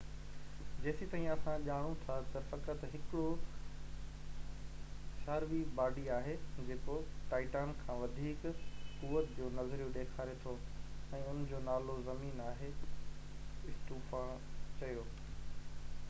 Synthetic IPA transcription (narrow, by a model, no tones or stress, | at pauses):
d͡ʑeːsit̪aːɦĩɐsãʄaːɽ̃ũt̪ʰat̪ɐfɐkət̪ɦɪkɪɽo | ʃaːɾʋibaːɖiaːɦed͡ʑeːkoʈaːɪʈaːnkʰãːʋɐd̪ʱiːkkuʋət̪d͡ʑoːnɐzɾijũɗeːkʰaːɾet̪ʰoɛ̃ːʊnd͡ʑoːnaːlozɐmiːnaːɦe | ɪsʈ̪uːfãt͡ɕɐjoː